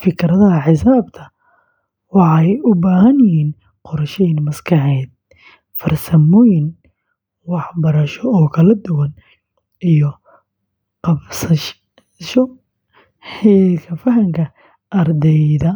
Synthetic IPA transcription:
fɪkʰɾɐðɐɦɐħɪsaːbt̪ʰɐ | wɑħɑjʊbaːɦɐnjɪhiːn | qʊɾɐʃɛinmɐskʰɑħɛːd̪̚ | fɐrsɐmɔːjɪn | wɑħbɐɾɐʃɔɔːkʰɐlɐd̪ʊwɐn | ijɔ | qɑbsɐ | ʃɔ | hɛːlkʰɐfɐɦɐŋkʰɐ | ʔɐrd̪ɛjðɐ

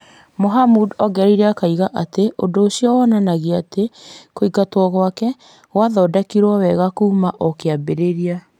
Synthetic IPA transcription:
moɦamudɔɡɛɾiɾeakaiɣaʔateʔodoːsiɔwananaɣiatekoiɡatwɔɣwakɛ | waðɔdakiɾwɔwɛɣakuːmaʔokeabeɾeɾia

